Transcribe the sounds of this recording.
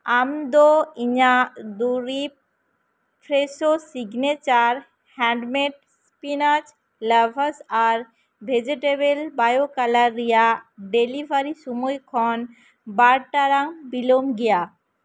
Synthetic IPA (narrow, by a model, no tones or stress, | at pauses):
amd̪ɔiɲad̪uɾi | pʰɾesosiɡnɛt͡ʃaɾ | hɛ̃ɳɖmeʈ̚ | spinat͡ʃ | labʱəsaɾ | bʱed͡ʒeʈebelbajokalaɾːijaɖelibʱaɾisumɔjkʰɔn | baɾʈaɾaŋbilɔmɡɛja